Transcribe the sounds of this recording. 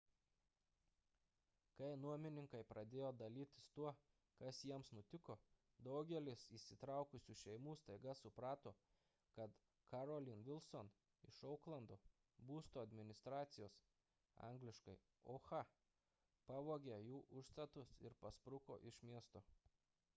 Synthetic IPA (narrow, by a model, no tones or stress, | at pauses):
kɐɪnuɔmʲɪnʲɪŋkɐɪpɾɐd̪ʲeːjoːd̪ɐlʲiːt̪ʲɪ̥st̪uɔ | kɐsjiɛmsnʊt̪ʲɪkoː | d̪ɐʊɡʲɛlʲɪsiːsʲɪt̪ɾɑˑʊkʊsʲuːʃʲɛɪmuːst̪ɐɪɡɐsʊpɾɑːt̪oː | kɐt̪ | kɐɾoːlʲɪnʋʲɪlˠʲson | ɪʃɔʊklˠɐnd̪oː | buːst̪oːɐd̪ʲmʲɪnʲɪst̪ɾɑːt̪sʲɪjoːs | ɑ̰ŋɡlʲɪʃkɐɪ | oːxɑ | pɑːʋoːɡʲɛjuːʔʊʃst̪ɐt̪ʊsɪ̰ɾpɐspɾʊko̰ːʔɪʃmʲiɛst̪oː